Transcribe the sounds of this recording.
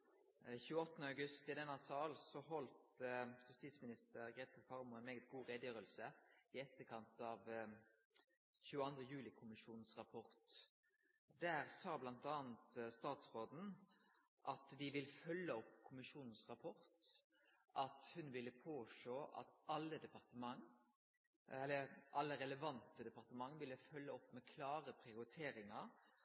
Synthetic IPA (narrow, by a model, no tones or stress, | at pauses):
çʉːəɔt̪ːnəɑʉɡʉst̪ɪd̪ɛnɑsɑːlsɔɦɔlt̪jʉst̪iːsmɪnɪst̪əɾɡɾeːt̪əfɑʁmʊɛnmeːɡət̪̚ɡuːʁeːd̪jøːɾəlsəɪɛt̪ːəkʰɑnt̪ɑːʋ | çʉːəɑnd̪ʁəjʉːlɪkʰʊmɪʃuːnn̩sʁɑpʰɔʁt̪ | d̪æːʁsɑːblɑnt̪ɑːnt̪st̪ɑːt̪sʁoːd̪n̩ | ʔɑt̪d̪ɪʋɪlfœlːəɔpːkʰʊmɪʂuːnən̩sʁɑpʰɔɾt̪ | ʔɑt̪hʉnʋɪlːəpʰoːʂoːʔɑ̰t̪ɑlːəd̪ɛpɑʁt̪əmɑŋ | ɛlːəʔɑlːəɾɛləʋɑnt̪əd̪ɛpɑʁt̪əmɑŋːʋɪlːəfœlːəɔpːmɛkʰlɑːʁəpʰʁɪʊɾɪt̪ʰeːɾɪŋɑɾ